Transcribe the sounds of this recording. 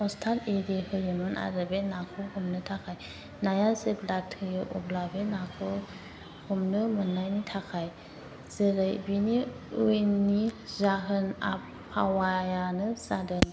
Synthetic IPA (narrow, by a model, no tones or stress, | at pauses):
ɔstʰaleɾehɯjɯnɯnʔa̰ɾɯbenakʰɔhumnɯtʰakʰaj | najaseblatʰɯjɯʔɔ̰blabenakʰɯ | humnɯmɯnːajnitʰakʰaj | z̥əɾɯjbini | ujnːizaɦɯna̰pʰːa̰wajanɯsadɯn